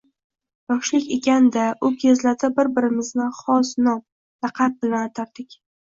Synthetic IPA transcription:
jɒʃlɪkʲekʲand̪aʔʊɡʲezlad̪abɪɾbɪɾɪmɪznɪχɒsnɒm | ɾɑqʰɑt̪̚bɪlanat̪ʰaɾd̪ɪkʲ

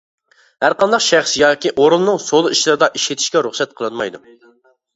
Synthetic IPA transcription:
hæɾqɑnd̪ɑqʃæχsjɑːkʲiʔoɾulˠnɨŋsolˠɨiʃlˠɨɾɨd̪ɑʔiʃet̪ʰiʃkʲɛɾuχsɛt̪̚qʰəlˠɨnmɑ̰jd̪u

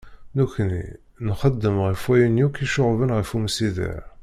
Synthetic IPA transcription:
nuçnḭ | nχəd̪ːəmʁəfwæjənjukiʃoʁvənʁəfumsiðḭʕ

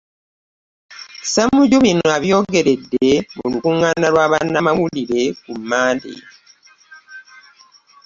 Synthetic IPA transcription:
samuɟoβinoaβjo̞ːɡe̞ɾe̞dːe̞molukuŋːaːnalwaːβanːamawuliɾe̞kumːaːndḛ

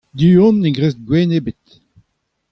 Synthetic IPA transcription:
d̪yɔ̃nːeɡʁeːst̚ɡwɛːnebet̪

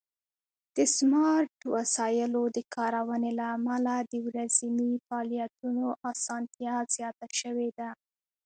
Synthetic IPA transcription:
d̪̥əsmɑɾʈwasɑjɪlod̪əkʰɑɾawənelaːmalad̪əwɾazimifɑlijat̪unoʔɑsɑnt̪jaz̥jɑt̪aʃəwed̪a

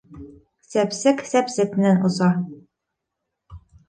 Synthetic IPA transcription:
sæpsɘksæpsɘk̚mɘ̆nænosɑ

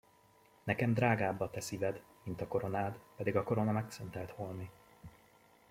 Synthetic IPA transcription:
nɛkɛmd̪raːɡaːbːɒt̪ɛsivɛd̪ | mint̪ɒko̞ɾo̞naːd̪pɛd̪iɡɒko̞ɾo̞nɒmɛksønt̪ɛlt̪holni

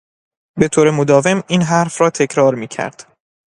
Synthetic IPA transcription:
be̞t̪ʰoːɾe̞mod̪ɒːve̞miːnɦæɾfɾɒːt̪ʰe̞cʰɾɒːɾmiːcʰæ̰ɾd̪̥

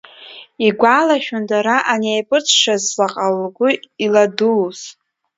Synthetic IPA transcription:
iɡʷalaʃᶣʊndaɾaʔanejpʼɨt͡sʰʂazlaqʼalɡʷʊiladuːz

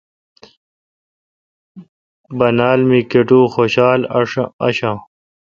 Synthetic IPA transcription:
bɐnaːlmikeʈuːxoːɕaːlʂɐ̰ɕãː

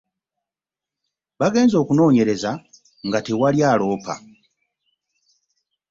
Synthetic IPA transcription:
βaɡe̞ːnzo̞ːkuno̞ːɲe̞ɾe̞za | ŋɡatewaljaːlo̞ːpʰa̰

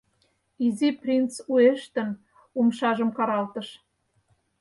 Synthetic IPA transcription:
iziprʲint͡sueʃt̪ə̆n | umʃɑʒə̆mkɑɾɑlt̪ə̆ʃ

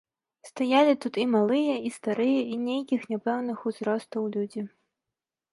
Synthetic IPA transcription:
st̪ajalʲit̪ut̪imalˠɨjɐist̪aɾɨjɐinʲejkʲixnʲapɛwnɨxuzɾɔst̪ɐwlʲud͡zʲi

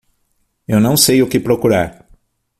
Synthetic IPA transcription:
ewnɐ̃w̃sejʊkɪpɾokuɾaɾ

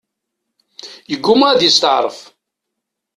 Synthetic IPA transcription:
jəɡʷːʊmææd̪jəst̪əʕɾˤəf

